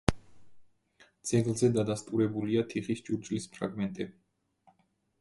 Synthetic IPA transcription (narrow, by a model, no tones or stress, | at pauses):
d̪z̥ɛɡlˠzɛd̪ad̪ast̪ʼuɾɛbuliat̪ʰiχisd͡ʒuɾd͡ʒʼlispʰɾa̰ɡmɛnt̪ʼɛbi